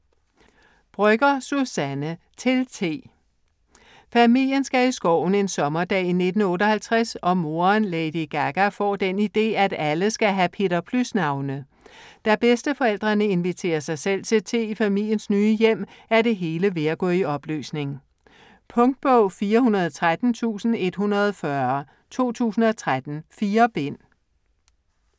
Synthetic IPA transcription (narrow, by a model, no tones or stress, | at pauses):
b̥ʁœɡ̥ɐsusænə | t͡sʰe̝lt͡sʰe̝̰ː | fæmil̰jənsɡ̥æisɡ̥ɒʊ̰n̩e̝nsɒ̽mɐd̥ɛ̰ːine̝d̥n̩ɔ̽ːɾɒhælt͡sʰʁasɒ̽mo̝ːɐnleɪd̥iɡ̥æɡ̥æfɒ̰ːd̥enid̥e̝̰ːæd̥æləsɡ̥æɦæpʰe̝̰ːɾɐpʰlusnɑ̈ʊnə | d̥æb̥esd̥əfɒ̽el̰d̥ʁɐnəe̝nʋit͡sʰe̝̰ːɐsɑ̈ɪsel̰t͡sʰe̝t͡sʰe̝ifæmil̰jənsnyːəjem̰æɐde̝ɦe̝ːləʋe̝æɡ̥ɔ̰̽ːiɒ̽b̥ly̰ːsne̝ŋ | pʰɔ̽ŋd̥̚b̥ɔʊ̰fiːɐhunɐð̞ˠt͡sʰʁad̥n̩t͡sʰṵːsn̩e̝d̥hunɐð̞ˠfɶɐ | t͡sʰo̝̰ːt͡sʰṵːsn̩ɒ̽t͡sʰʁad̥n̩fiːɐb̥e̝n̰